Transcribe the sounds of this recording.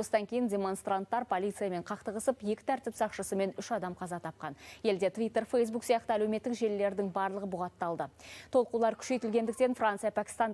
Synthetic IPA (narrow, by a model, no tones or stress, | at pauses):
osəd̪ɑŋkʲʰe̞jɪndʲe̞mo̞nst̪ɾant̪ːɑɾpʰo̞lʲˠijt̪sɨjame̞ɴqʰɑqt̪əʁəsəpje̞kʲɪ̥t̪ʰæɾt̪ɪpsɑqʃəsəme̞nʏʃɑd̪ɑmqʰɑzɑt̪ʰɑp̚qɑnje̞ld̪e̞t̪vʲijt̪ːe̞ɾfejsbuksijɑqt̪əælewmet̪ːɪkʒe̞lːe̞ɾd̪ɪŋbɑɾlˠəʁəbʊʁɑt̪ːɑlˠd̪ət̪ʰo̞lˠqulˠɑɾkʲʰʏ̥ʃe̞jt̪ɪlɡʲe̞nd̪ɪk̚t̪e̞nfrant̪sɨjɑpʰækʲɪ̥st̪ɑn